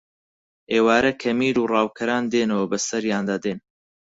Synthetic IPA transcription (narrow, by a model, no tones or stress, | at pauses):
ʔeːwaːɾɐkʰɐmiːɾuːrɑːwkʰɐɾaːnd̪eːnɐwɐbɐsɐɾjaːnd̪aːd̪eːn